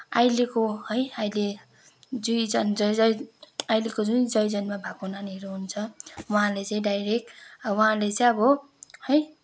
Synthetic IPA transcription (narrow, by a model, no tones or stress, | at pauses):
ajlekohʌjʌjle | d͡zujd͡zʌnd͡zʌjd͡zʌjajlekod͡zund͡zʌjd͡zʌnmabʱakonanieɾoɦunt͡sʰʌwʌɦãlet͡saĩɖajɾek̚ʈʌwʌɦãlet͡sãj̃ʌbʌ | hʌj